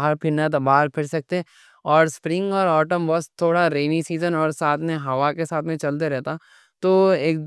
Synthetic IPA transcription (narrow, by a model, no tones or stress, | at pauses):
ɦəɾpʰɪnat̪baːɦəɾpʰɪɽsɐk̚t̪e | ɔːɾspɾɪ̃ŋɡɔːɾɔːʈəmbɐst̪ʰːoːɽaɾeːnisiːzənɔːɾsaːt̪ʰmẽɦɐʋakesaːt̪ʰmẽt͡ʃɐlt̪̬eɾɛɦt̪a | t̪oːeːk̪̚